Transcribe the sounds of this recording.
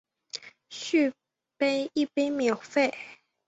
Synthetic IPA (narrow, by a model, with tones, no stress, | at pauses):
ɕy˥˩ | pe˥ɪi˥˩pe˥ɪmjɑ˨˩ʊfe˥˩ɪ